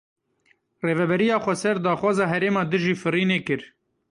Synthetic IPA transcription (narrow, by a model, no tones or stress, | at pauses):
reːvɛbɛɾijɑːxʷɛsɛɾd̪ɑːxwɑːzɑːɦɛɾeːmɑːd̪ɨʒiːfɨɾiːneːkɨɾ